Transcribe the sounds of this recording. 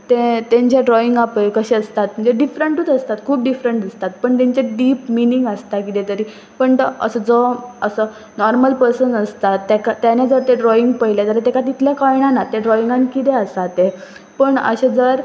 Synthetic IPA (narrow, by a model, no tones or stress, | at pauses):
t̪et̪ẽɲt͡ɕeɖɾɔiŋɡapəjkəɕeəst̪at̪m̤əɳd͡zeɖifɾəɳʈuːt̪əst̪at̪kʰuːp̚ɖifɾəɳʈəst̪at̪̚pəɳt̪ẽɲt͡ɕeɖiːpminĩŋɡəst̪akit̪et̪əɾi | pəɳt̪əə̰səd͡zoəsə | nɔɾməlpəɾsənəst̪at̪ːekat̪ːjaned͡zəɾt̪eɖɾɔiŋɡpəɦilet̪əɾat̪ekat̪̬it̪ʰljakɔjɳ̃anat̪eɖɾɔiŋɡãnkit̪eəst̪at̪e | pəɳə̰ɕed͡zəɾ